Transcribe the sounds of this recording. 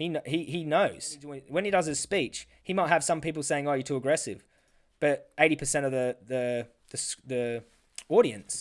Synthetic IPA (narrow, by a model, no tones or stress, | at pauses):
hinɦiɦinoʊz̥wwə̃nidʌzɨz̥spiˑt͡ʃ | himaɪt̚ɦəv̥sʌ̃mpiˑpl̩ˠseɪɪ̃ŋəjɨtʰʉəɡɹɛsɪ̰v̥ | b̥ʌɾeɪɾipʰəsɛ̃ñʌvðəðə | ðɨsði | ɔːɾiɨ̃ns